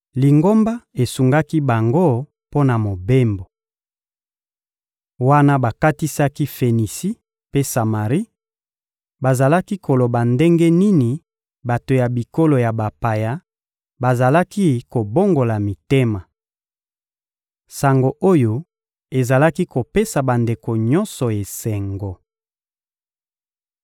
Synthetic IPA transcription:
li˨ŋɡo˦mba˦e˨su˨ŋɡa˦ki˦ba˨ŋɡo˦ | po˦na˨mo˨be˦mbo˨ | wa˦na˦ba˨ka˦ti˦sa˦ki˦fe˨ni˨si˦ | pe˦sa˨ma˨ʁi˦ | ba˨za˨la˦ki˦ko˨lo˨ba˨nde˦ŋɡe˦ni˦ni˨ | ba˨to˨ja˨bi˨ko˦lo˨ja˨ba˨pa˨ja˦ | ba˨za˨la˦ki˦ko˨bo˦ŋɡo˨la˨mi˨te˦ma˨ | sa˨ŋɡo˨ʔo˦jo˦ | e˨za˨la˦ki˦ko˨pe˦sa˨ba˨nde˨ko˨ɲɔ˦nsɔ˨e˨sɛ˨ŋɡo˨

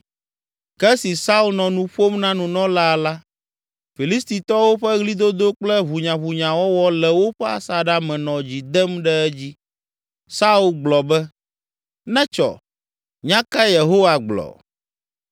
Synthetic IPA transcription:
kɛ˦si˨sa˦u˦lnɔ̃˨nũ˦ɸo˦mnã˦nũ˨nɔ̃˦la˦a˨la˦ | fi˨li˦st̪i˨t̪ɔ˦wo˦ɸɛ˦ɣli˦d̪o˦d̪o˦k͡plɛ˦βu˨ɲã˨βu˨ɲã˨wɔ˦wɔ˦lɛ˨wo˦ɸɛ˦a̰˨sa˨ɖa˦mɛ̃˨nɔ̃˨d͡ʑi˨d̪ɛ˦mɖɛ˦ɛ˦d͡ʑi˦ | sa˦u˦˨lɡ͡blɔ˨bɛ˦ | nɛ̃˦t͡ʃɔ̰˨ | ɲã˦ka˦je˨ɦo˦wa˨ɡ͡blɔ̰˨

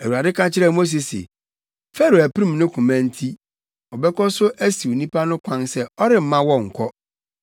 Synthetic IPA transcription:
æ˨wu˨ɾa˨dɪ˦kʰã˦t͡ɕʰɪ˦ɾɛ˦˨mo˦s̬e˨sḛ˨ | fɛ˦ɾo˨æ˨pʰi˦ɾĩ˦m˨nʊ̃˦kʰũ˨mæ̃˦n̩˦tʰi˦ | ɔ˨bɛ˦kɔ˦sʊ˦ʔæ˦si˨wo˨nĩ˦pʰa˦nʊ̃˦kʷʰã˦nsɛ˦ɔ˦ɾɪ˨m̩˦mã˦wɔ̃˨ŋ̩˨kʰɔ˦

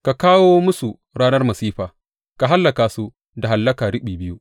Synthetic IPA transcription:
ka˨kaː˦woː˦mʊ˦su˨ | ɾaː˦nɐ˦rmɐ˨siː˦ɸaː˨ | ka˨ɦa˦lːɐ˨kaː˨su˦ | da˨ɦa˨lːɐ˦kaː˨ɽɪ˦ɓiː˨bɪ˦ju˦ʔ

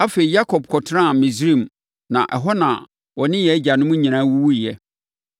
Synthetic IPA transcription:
a˦fe˨i˨ja˦kʰɔ˨b̚kʰɔ˨tʰã˦˨mĩ˨zɾi˦˨m | nã̰˨ʔɛ˨ɦɔ˦nã˨ | wɔ˨nɪ̃˦jɛ˨˦d͡ʑa˨nʊ̃˦mʊ̃˦ɲĩ˨ñãː˦wu˦wu˦i˨ɛ˦

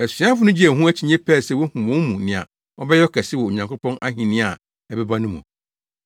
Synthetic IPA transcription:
ɛ˨si˨˦ã˦fʊ˦nʊ̃˦d͡ʑi˦ɛ̃˨ɦũ˦ɛ˦t͡ɕʰɪ˨ɲɛ̃˦pʰɛ˦˨sɛ˦wɔ˦hũ˨wɔ̃˦nmũ˨nɪ̃˨a̰˨ | ɔ˦bɛ˦jɔ˦kʰɛ˨sɪ˦wɔ˨o˨ɲã˨ŋkʰʊ˦pɔ̃˦nʔa˦ɦĩ˨nɪ̃˦a˨ | ɛ˨bɛ˦ba˦nʊ̃˦mṵ̃˨

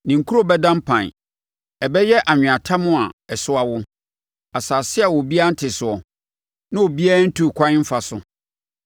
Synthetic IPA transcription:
nĩ˨ŋ˨kʰu˦ɾo˦bɛ˦dã˦m˦pʰã˨ | ɛ˨bɛ˦jɛ˦ʔa˨ɲᶣɪ̃˨a˨tʰa˦mʊ̃˦a˨ɛ˨sʊ˦a˦wʊ˦ | a˨saː˨sɪ˦a˨wɔ˨bi˦a˦n̩˦tʰɪ˨sʊ˨ɔ˨ | nã˦wo˨bi˦a˦a˦n̩˦tʰu˨kʷʰã˦ɲ˦m̩˦fa˨sʊ˨

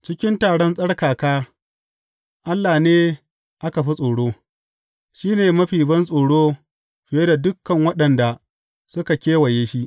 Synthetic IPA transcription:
t͡ʃɪ˦kʲɪ˦ntaː˨ɽɔ˦nsʼɐ˦ɽkaː˨kaː˦ | ʔa˦lːaː˨neː˦ | ʔa˦ka˨ɸi˦sʼoː˨ɽoː˦ | ʃiː˦neː˨mɐ˦ɸiː˨bɐ˦nsʼoː˨ɽoː˦ | ɸɪ˨je˦da˨dʊ˦kːɐ˨ŋwɐ˦ɗɐ˨nda˨ | sʊ˦ka˨kʲeː˦wɐ˨jeː˦ʃi˦ʔ

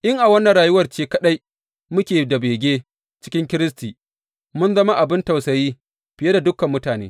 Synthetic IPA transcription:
ʔɪ˦ŋʔa˨wɐ˦nːɐ˨nɽaː˨jʊ˦wɐ˨rt͡ʃeː˦kɐ˦ɗa˦j | mʊ˦kʲeː˨da˨beː˨ɡʲeː˦ | t͡ʃɪ̥˦kʲɪ˦ŋkʲɪ˦ɾɪ˦stiː˨ | mʊ˦nzɐ˦ma˦ʔa˨bɪ˦nta˨wsɐ˨jiː˦ | ɸɪ˨je˦da˨dʊ˦kɐ˨mːʊ˦taː˨nḛː˦

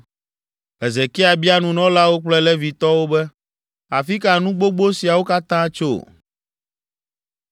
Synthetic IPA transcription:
ɛ˨zɛ˨kɛ˦a˨bi˦a˦nũ˨nɔ̃˦la˦wo˦k͡plɛ˦lɛ˦vi˨t̪ɔ˦wo˦bɛ˦ | a˨fi˦ka˨nũ˦ɡ͡bo˦ɡ͡bo˦si˨a˨wo˦ka˦t̪ã˦t͡ʃo̰˦˨

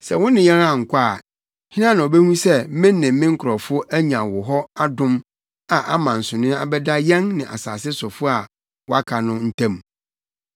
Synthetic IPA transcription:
sɛ̰˨wʊ̃˦nɪ̃˨jɛ˦ɾã˦˨ŋ̩˨kʰʷa˦˨ | hĩ˦nã˦nã˨ɔ˨bɛ˦hũ˦sɛ˦mɪ̃˦nːɪ̃˨m˦mɪ̃˦ŋ̩˦kʰʊ˨ɾɔ˨fʊ˦ʔæ˦ɲã˨wʊ˨ɦɔ˦a˦dʊ̃˦m | a˨ʔa˦mã˨n̩˨sʊ̃˨nɪ̃˦a̰˨bɛ˦da˦jɛ̃˦nnɪ̃˨ʔa̰˨sa̰ː˨sɪ˦sɔ˨fʊ˦a˨ | wɔ˦a˦kʰa˨nʊ̃˦n̩˦tʰã˦˨m

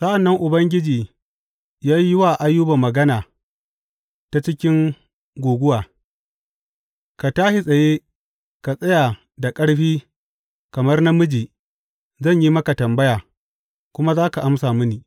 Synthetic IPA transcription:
sɐ˦ʔa˨nːɐ˦ŋʔʊ˨bɐ˦ŋɡʲɪ˦d͡ʒiː˨ | jaː˦jɪ˦waː˨ʔa˦jːʊ˦ba˨mːɐ˨ɡɐ˦naː˨ | ta˨t͡ʃɪ˦kʲɪ˦ŋ | ɡʷoː˨ɡʷʊ˦waː˨ | ka˨taː˦ʃi˨sʼɐ˨jeː˦ | ka˨sʼɐ˦jaː˨ | da˨kʼɐ˦ɽɸiː˦ | kɐ˨mɐ˦rna˦mʊ˦d͡ʒiː˨ | zɐ˦˨ɲji˦mɐ˦ka˨tɐ˨mbɐ˦jaː˨ | kʷʊ˦ma˦zaː˦ka˨ʔa˦msaː˨mɪ˦niː˨

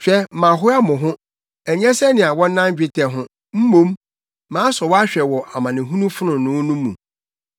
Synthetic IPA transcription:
ɕᶣɛ˦mã˨ɦʊ˦a˦mʊ̃˨ɦʊ̃˦ | æ˨ɲ˦ɛ̃˦sɛ˦nɪ̃˨a˨wɔ̃˦n̩˦nã˦m˦d͡ʑᶣɪ˦tʰɛ˨ɦʊ̃˦ | m̩˦mõ˦m | mãː˨˦sɔ˨wɔ˦a˦ɕᶣɛ˨wɔ˨ʔa˨mã˨nɪ̃˨ɦũ˦nũ˦fʊ˦nʊ̃˨nʊ̃˨˦nũ˦mṵ̃˨

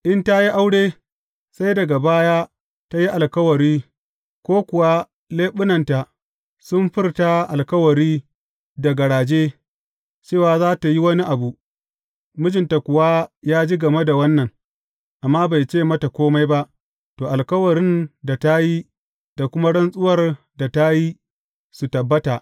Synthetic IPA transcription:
ʔɪ˦nta˦ji˦ʔa˦wɽeː˦ | sa˦jdɐ˨ɡa˨baː˦ja˦ | ta˦ji˦ʔa˨lkɐ˦wɐ˨ɾiː˦ | kʷoː˦kʷʊ˨wa˦ | leː˦ɓʊ˦nɐ˨nta˨ | sʊ˦mɸɪ˦rta˦ʔa˨lkɐ˦wɐ˨ɾiː˦ | da˨ɡɐ˨ɽaː˨d͡ʒeː˦ | t͡ʃeː˦˨waː˨zaː˦ta˨ji˦wɐ˦ni˦ʔa˨bu˨ | mʊ˦d͡ʒɪ˨nta˨kʷʊ˨wa˦jaː˦d͡ʒi˦ɡɐ˨me˦da˨wɐ˦nːɐ˨ŋ | ʔa˨mːaː˦ba˨jt͡ʃeː˦˨mɐ˦ta˨kʷoː˦ma˦jba˦ʔ | toː˨ʔa˨lkɐ˦wɐ˨ɾɪ˦nda˨ta˦ji˦ | d̥a˨kʷʊ˦ma˦ɽɐ˦nsʼʊ˦wɐ˦˨r | da˨ta˦ji˦ | su˨tɐ˨bːɐ˦ta˨ʔ

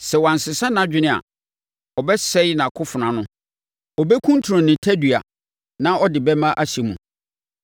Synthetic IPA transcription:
sɛ˨wã˨n̩˨sɪ˨sã˦nã˦d͡ʑᶣɪ˨nɪ̃˦˨a̰˨ | ɔ˨bɛ˦sɛ˦nã˨kʰʊ˦fʊ˨nã˨nʊ̃˦ | ɔ˨bɛ˦kʰũ˦n˦tʰu˨ɾʊ̃˨nɪ̃˨tʰɛ˦dɥa̰˨ | nã˦ɔ˦dɪ˨bɛ˦mã˦ʔa˦ɕi˨mũ˨

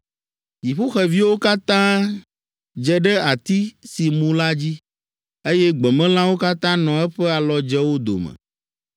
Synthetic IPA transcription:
d͡ʑi˨ɸu˦xɛ˨vi˦wo˦ka˦t̪ã˦ | d͡ʒɛ˦ɖɛ˦a˨t̪i˦si˨mũ˦la˦d͡ʑi˦ | e˦jɛ˦ɡ͡bɛ˨mɛ̃˦lã˦wo˦ka˦t̪ã˦nɔ̃˨ɛ˦ɸɛ˦a˨lɔ˨d͡ʒɛ˦wo˦d̪o̰˨mɛ̰̃˨

